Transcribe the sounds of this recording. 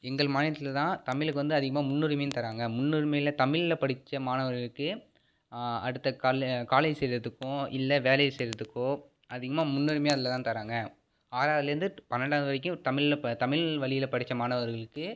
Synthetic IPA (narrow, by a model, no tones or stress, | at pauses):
ɛŋɡɐɭmaːnɪɐt̪ːɪlɐt̪ãːt̪ɐmɪɭɯkːɯʋɐnd̪ɯɐðɪɣɐmaːmʊnːɯɾɪmɐjnt̪ɐɾaːŋɡɐmʊnːɯɾɪmɐjɪlɐt̪ɐmɪɭɪlɐpɐɽɪt͡ʃːɐmaːnɐʋɐɾɣɐɭɯkːɯ | ɐ̰ɽɯt̪ːɐkaːkaːlɐɪsɛjɾɐðɯkːʊ̃ɪ̰lːɐʋeːlɐjsɛjɾɐðɯkːõː | ɐðɪɣɐmaːmʊnːɯɾɪmɐjɐðɪlɐt̪ãːt̪ɐɾaːŋɡɐ | aːɾaːʋðɪlɐɾɯnd̪ɯpɐnːɐɖaːʋðɯʋɐɾɪk̬ʲːʊ̃t̪ɐmɪɭlt̪ɐmɪɭʋɐɭɪjɪlɐpɐɽɪt͡ʃːɐmaːnɐʋɐɾɣɐɭɯkːɯ